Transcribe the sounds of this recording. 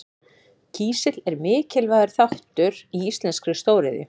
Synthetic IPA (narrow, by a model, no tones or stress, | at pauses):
cʰiːsɪt̪lɛɾmɪːcɪlvaːjðaɾ̥θawht̪ʏɾiist̪lɛnskɾʏst̪oːwɾɪðɪ̰